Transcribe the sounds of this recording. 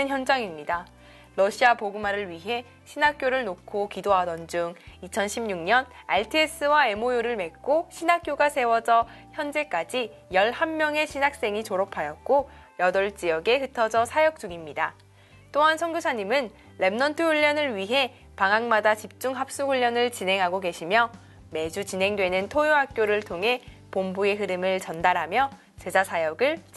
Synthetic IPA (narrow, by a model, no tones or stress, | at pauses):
nçjʌnd͡ʑaŋimɲida | ɾʌɕʰiapoɡɯmaɾɯɭɥiɦe̞ | ɕʰinak͈joɾɯɭnokʰokidoɦadʌnd͡ʑuŋit͡ɕʰʌnɕʰimɲuŋɲʌnaɭtʰies͈ɯwae̞mojoɾɯɭme̞k̚k͈oɕʰinak͈joɡasʰe̞wʌd͡ʑʌ | çjʌnd͡ʑe̞k͈ad͡ʑi | jʌɭhamːjʌŋe̞ɕʰinak̚s͈e̞ŋit͡ɕoɾʌpʰajʌt̚k͈o | jʌdʌɭt͡ɕ͈iʌɡeɦɯtʰʌd͡ʑʌsʰajʌk̚t͡ɕ͈uŋimɲida | t͈oɦansʰʌŋɡusʰaɲimɯnː | e̞mnʌntʰɯɸuʎːʌnɯɭɥiɦe̞ | paŋɦaŋmadat͡ɕip̚t͡ɕ͈uŋɦap̚s͈uɸuʎːjʌnɯɭt͡ɕine̞ŋɦaɡoke̞ɕʰimjʌ | me̞d͡ʑut͡ɕinɦe̞ŋdwe̞nɯntʰojoɦak̚k͈joɾɯɭtʰoŋɦe̞ | pombue̞ɦɯɾɯmɯɭt͡ɕʌndaɾɦamjʌ | t͡ɕe̞d͡ʑasʰajʌɡɯɭt͡ɕ